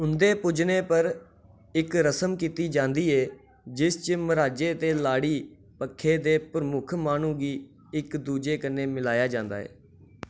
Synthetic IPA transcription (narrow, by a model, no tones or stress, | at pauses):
ʊnd̪eːpʊd͡ʒneːpəɾ | ɪkɾəsəmkiːt̪iːd͡ʒãːnd̪iːɛː | d͡ʒɪst͡ʃəməɾaːd͡ʒeːt̪eːlaːɽiː | pəkʰːeːd̪eːpɾəmʊkʰmaːnũːɡiː | ɪkd̪uːd͡ʒeːkənːeːmɪlaːjaːd͡ʒãːnd̪a̰ːɛ̰ː